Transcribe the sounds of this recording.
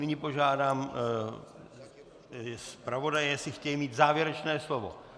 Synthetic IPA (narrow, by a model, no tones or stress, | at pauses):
nɪɲɪpo̞ʒaːdaːm | spɾavo̞dajɛsɪxcɛjimiːt̪zaːvjɛɾɛt͡ʃnɛːslovo̰